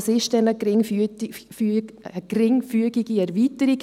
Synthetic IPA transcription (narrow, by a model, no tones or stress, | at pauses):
sɪʃtɛnəɡɪ | fyəɡ̥rɪŋfyəɡiɡiɛɾviːtəɾiɡ